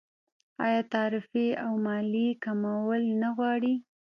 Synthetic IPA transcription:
ɑ̰jɑt̪ɑɾɪfeawmɑlikamawəlnaɣwɑɽi

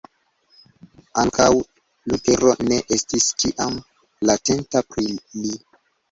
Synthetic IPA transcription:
aŋkʰaw | lute̞ɾo̞ne̞ʔestiskiʔam | late̞ntapɾili

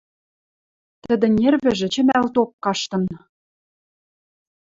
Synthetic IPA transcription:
t̪ə̆d̪ɘ̆nʲerβɘ̆ʒɘ̆t͡ɕɘ̆mælt̪op̚kɑʃt̪ɤ̆n

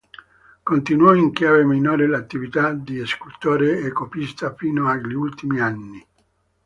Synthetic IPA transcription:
kont̪inwɔiŋkjaːveminoːɾelat̪ːivit̪ad̪ieskult̪oːɾeekopist̪afiːnoaʎiult̪imianːi

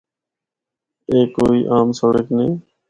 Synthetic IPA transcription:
eːkoːiːʔaːmsəɽekneː

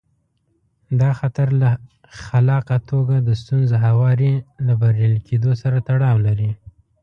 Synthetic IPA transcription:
d̪ɑxat̪aɾla | xalɑqat̪ʰoɡad̪əst̪unzaɦawɑɾilabaɾjɑlkʰed̪osaɾat̪aɽɑwlaɾi

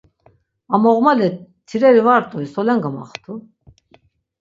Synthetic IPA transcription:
amɔʁmalɛt̪ʰiɾɛɾivaɾt̪ʼɔisɔlɛŋɡama̰χt̪ʰu

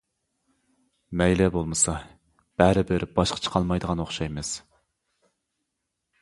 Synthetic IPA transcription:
mɛjlɛbolˠmɨsɑ | b̥æɾɪbɪɾb̥ɑʃqʰə̥t͡ʃʰə̥qʰɑlˠmɑjd̪əʁɑnoχʃɑjmɨz̥

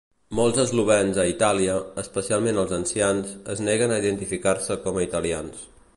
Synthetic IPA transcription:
mɔlˠzəzluβ̞ɛnzəit̪aliəːspəsialˠmenəlˠzənsianzəznɛɣənəiðənt̪ifikarsəkɔməit̪əlians

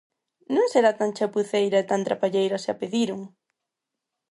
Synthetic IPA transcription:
nõŋseɾat̪aŋt͡ʃapuθejɾaet̪ant̪ɾapaʎejɾasɪa̰peðiɾʊŋ

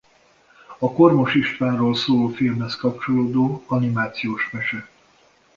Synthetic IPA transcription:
ɒko̞rmo̞ʃiʃt̪ʋaːnroːlsoːlofilmhɛskɒp̚t͡ʃo̞loːd̪oːɒnimaːt̪sijoːʃmɛʃɛ

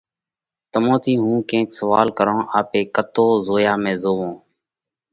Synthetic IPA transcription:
t̪əmõːt̪ʰiːɦũːkẽːksəʋaːlkəɾõːʔaːpeːkət̪oːzoːjaːmẽːzoːʋõː

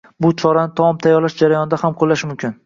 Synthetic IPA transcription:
bʊt͡ʃʰɒɾanɪt̪ʰɒmɒmt̪ʰajːɒɾlaʃd͡ʒaɾajɒnɪd̪ahamqʰolːaʃɪmʊmkʲʰɪn

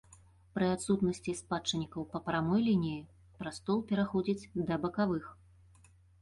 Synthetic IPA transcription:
pɾɨat̪sut̪nɐsʲt͡sʲispat͡ʂɐnʲikɐwpɐpɾamɔjlʲinʲiji | pɾast̪ɔlˠpʲɛɾaxɔd͡zʲit͡sʲd̪ɐbɐkavɨx

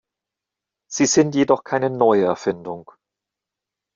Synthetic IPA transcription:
z̥iːzɪntjeːdɔχkʰaɪnənɔʏəɛɐfɪndʊŋ

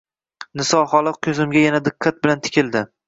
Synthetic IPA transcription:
nɪsɒhɒlˠɨq̚kʲʰɵzɪmɡʲajanad̪ɪkʲʰːat̪̚bɪlant̪ʰɪ̥kʲʰɪld̪ɪ

